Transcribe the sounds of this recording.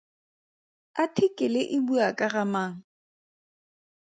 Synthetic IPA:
atʰɪkʼɪlɪʔɪbuakʼaɣamaːŋ̩

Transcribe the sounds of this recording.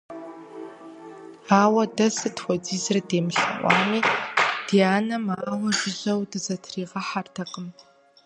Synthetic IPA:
awadasɨtʰwʷad͡zizrdeːmɬa̰ʔʷa̰nid̥iaːnamaːwaʒʷɪʒʷawdɨzɐtʰriːʁaħartʰaqʼəm

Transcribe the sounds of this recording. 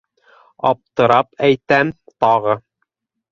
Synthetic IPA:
ɑ̰p̚t̪ɤ̆ɾɑpæjt̪æmt̪ɑʁɤ

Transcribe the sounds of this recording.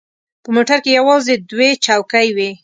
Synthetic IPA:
pəmoʈaɾkejawɑzed̪wet͡ʃawkajwi

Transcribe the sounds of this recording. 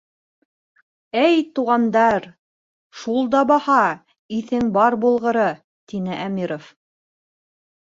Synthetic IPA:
æjt̪uʁɑnd̪ɑɾ | ʃulˠd̪ɑbɑhɑ | iθɘŋbɑɾbulˠʁɤ̆ɾɤ | t̪inɘʔæmiɾof

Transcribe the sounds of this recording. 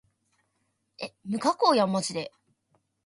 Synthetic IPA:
emɯ̟kakoːjamːot͡ɕid̪e̞

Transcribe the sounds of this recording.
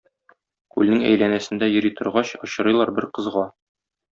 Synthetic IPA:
kʉlnɘŋæ̰jlænæsɘ̆nd̪æjɤ̆ɾijt̪ɤ̆ɾʁɑɕɤ̆ɕɤ̆ɾɤ̆jlˠɑɾbɘɾqɤ̆zʁɑ

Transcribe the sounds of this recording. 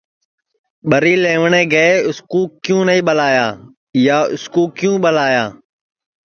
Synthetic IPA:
ɓəɾiːleːʋɳeːɡəeʊskuːkjũːnəĩːɓəlaːjaː | jaːʊ̰skuːkjũːɓəlaːjaː

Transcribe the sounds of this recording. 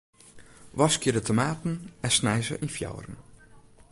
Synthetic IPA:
ʋɔskjədətʰomaːtn̩ɛsnɛjzə̰ʔinfjɔ̰wrən̩

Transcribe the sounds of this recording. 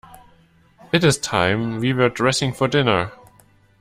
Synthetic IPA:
ɨɾɨz̥tʰãɪ̃mwiwə˞dɹɛsɪ̃ŋfɔdɪnə˞

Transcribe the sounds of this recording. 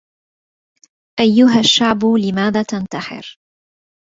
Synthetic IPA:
ʔajːʊɦaʃːaʕblɪmaːðaːt̪ant̪aħɪ̰ɾ

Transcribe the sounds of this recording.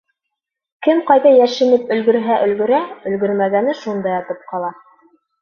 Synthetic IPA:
kɘmqɑjðɑjæʃɘ̆nɘpɵ̆lɡɵ̆ɾɦæʔɵ̆lɡɵ̆ɾæɵ̆lɡɵ̆ɾmæɡænɘʃund̪ɑjɑt̪ɤp̚qɑlˠɑ

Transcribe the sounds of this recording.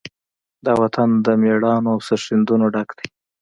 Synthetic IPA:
d̪ɑwat̪and̪əmeɽɑnoawsəʂɪnd̪unoɖakd̪̥e

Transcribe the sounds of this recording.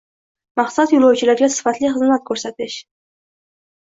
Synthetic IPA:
mɑqsat̪julˠawt͡ʃʰɪlaɾɡʲasɪ̥fat̪lɪχɨzmat̪̚kʰʲɵɾsat̪ɪʃ

